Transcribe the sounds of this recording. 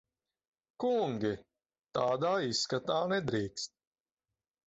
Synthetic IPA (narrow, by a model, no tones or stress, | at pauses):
kuŋɡʲi | t̪aːd̪aːisːkat̪aːnɛd̪ɾiːkst̪̚